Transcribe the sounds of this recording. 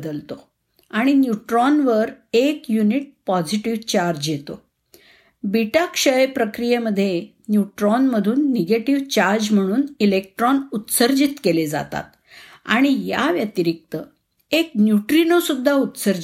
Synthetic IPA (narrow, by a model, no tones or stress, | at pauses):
d̪əlt̪o | aɽ̃injuʈɾɔnʋəɾekjuniʈ̚pɔd͡ziʈiʋt͡ɕaɾd͡ʑjet̪o | biʈakʂəjpɾəkɾijeməd̪ʱːje | njuʈɾɔnməd̪ʱuːnːeɡeʈiʋt͡ɕaɾd͡ʑm̤əɽ̃uːnilek̚ʈɾɔnut̪səɾd͡ʑit̪keled͡za̰t̪a̰t̪ | a̰ɽ̃ija̰ʋjət̪iɾik̚t̪ə | eknjuʈɾinosud̪ʱːaut̪səɾd͡ʑ